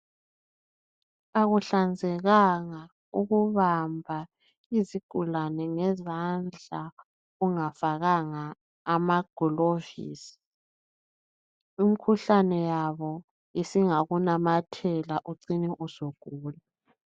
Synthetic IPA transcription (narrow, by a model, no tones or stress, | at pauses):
aɣuɬand͡zʱɛɣaŋa | uɣuβambʱa | iziɡ̥ʱulanɛŋɛzand͡ɮʱa | uŋafaɣaŋaː | maɡ̥ʱɔlovḭːsi̥ | im̩kʰuɬanɛjaβɔ | jisiŋaɣunamatʰɛlaʔuǀinɛʔuzoɡ̥ʱuːla